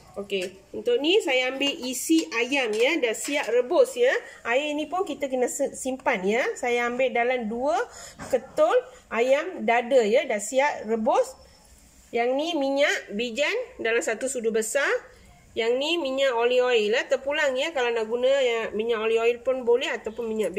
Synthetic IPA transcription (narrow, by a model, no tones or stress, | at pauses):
oke | unt̪ʊʔ̚nisajaːmbɪʔisiajamjədasiaʔrəbʊsjəʔaainipʊnkit̪əkənəssimpanjəsajaːmbɪʔdalamduəkət̪ʊlʔajamdadəjədasiaʔrəbʊs | jaŋnimiɲaʔbid͡ʒandalamsat̪usudubəsar | jaŋnimiɲaʔolioilat̪ərpulaŋjəkalawnaʔɡunəjamiɲaʔolioilpʊnbolɛɦat̪awpʊnmiɲaʔb